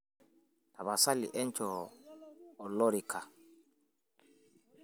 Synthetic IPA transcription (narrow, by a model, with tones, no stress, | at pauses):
ta˨βa˨sa˦lḭ˨ʔɛ˦ɲt͡ʃɔː˨ | lɔ˦ɾi˨kʰa˨